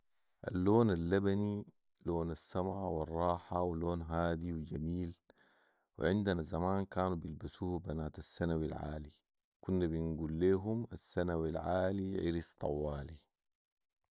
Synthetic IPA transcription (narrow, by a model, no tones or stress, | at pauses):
ʔa̰lːoːnalːabani | loːnasːamʕaʕwirˤːɑːħawloːnɦaːd̪iwid͡ʒamiːl | wḭʕind̪anazamaːnkaːnubilbasuːhbanaːt̪asːanawilʕa̰ːli | kunːabinɡulːeːɦumasːanawilʕaːliʕiɾist̪ˤɑ̰wːaːli